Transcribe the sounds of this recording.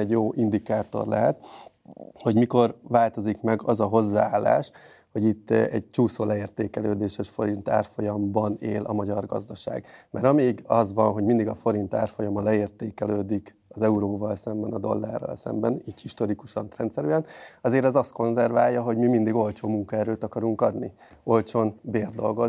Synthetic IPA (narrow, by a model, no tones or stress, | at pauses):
ɛɟjoːʔind̪ikaːt̪o̞̰rlɛɦɛt̪ | ho̞ɟmiko̞rvaːlt̪o̞zikmɛɡɒzɒɦo̞zːaːaːlːa̰ːʃ | ho̞ɟit̪ːɛɟ̚t͡ʃuːsoːlɛeːrt̪eːkɛløːd̪eːʃɛʃfo̞ɾint̪a̰ːrfo̞jɒmbɒneːlʔɒ̰mɒɟɒrɡɒ̰zd̪ɒʃa̰ːɡmɛɾɒmeːɡɒzʋɒnɦo̞ɟmind̪iɡɒfo̞ɾint̪aːrfo̞jɒmɒlɛeːrt̪eːkɛløːd̪ik | ɒzɛuɾoːvɒlsɛmbɛnɒd̪o̞̰lːa̰ːrːɒ̰lsɛ̰mbɛniːchiʃt̪o̞ɾikuʃɒnt̪rɛnt̪sɛɾyːɛnɒzeːɾɛzɒst̪ko̞nzɛrvaːjːɒɦo̞ɟmimind̪iɡo̞lt͡ʃoːmuŋkɒɛɾøːt̪ɒkɒɾuŋkɒd̪ni | o̞lt͡ʃonbeːrd̪o̞̰lɡo̞